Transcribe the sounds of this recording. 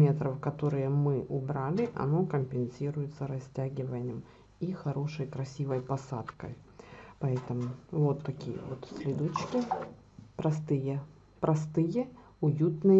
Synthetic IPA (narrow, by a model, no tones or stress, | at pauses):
mʲe̞t̪ɾəfkɐt̪o̞ɾɨjəmɨʔʊbɾalʲɪʔɐ̰no̞kəmʲpʲɪnsʲiɾʊjɪt̪səɾɐsʲtʲæɡʲɪvənʲɪɪm | ixɐɾo̞ʂəjkɾɐsʲivəjpɐsat̪kə̰j | pɐɛt̪əmʊvo̞t̪ːɐkʲijə̰vo̞t̪sʲlʲɪd̪ot͡ɕkʲɪ | pɾɐst̪ɨjə | pɾʔɐst̪ɨjə | ʊjut̪nɨ